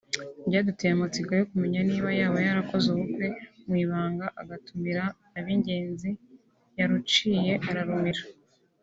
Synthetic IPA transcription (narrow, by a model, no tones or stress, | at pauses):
ɾɟadutejamut͡siɡajokume̞ɲaniːβajaːβojaɾako̞zeβukwe̞mwiːβaːŋɡaʔaɡatumiɾaː | βiɲɟe̞ːnzi | jaɾut͡ʃiːje̞ʔaɾaɾumiɾa